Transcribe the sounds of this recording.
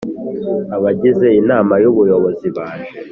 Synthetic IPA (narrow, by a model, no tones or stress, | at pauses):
aβaɟize̞inaːmajuβujo̞βo̞ziβaːʃe